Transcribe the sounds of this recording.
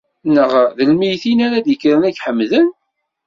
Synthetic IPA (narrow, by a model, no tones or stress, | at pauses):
nəʁðəlmijθinæɾæd̪jəkːɾənæɡħəmːðən